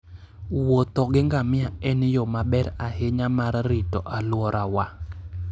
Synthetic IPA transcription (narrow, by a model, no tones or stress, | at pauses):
wot̪ɔɡɪŋɡamɪaɛnjomabɛɾahɪɲamaɾrɪtɔ̰ʔalwɔɾʔawa